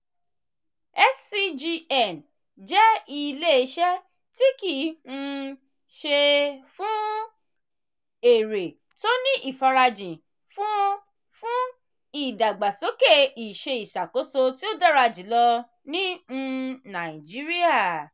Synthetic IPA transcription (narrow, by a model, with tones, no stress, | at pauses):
ɛ˦si˧d͡ʒi˧ɛ˦˨n | d͡ʒɛ˦i˧le˦e˧ʃɛ˦ | ti˦ki˨n̩˧ | ʃe˧fũ˦ | e˨ɾe˨ | to˦nĩ˦ʔi˨fa˧ɾa˧d͡ʒĩ˨ | fũ˦ | fũ˦ | i˨da˨ɡ͡ba˨so˨˦ke˦˨i˨ʃe˧i˨ʃa˨ko˨˦so˧ti˦o˦da˦ɾa˧d͡ʒĩ˨˦lɔ˧ | nĩ˦˧ | nã˨ĩ˨d͡ʒi˨˦ɾi˦a˦˨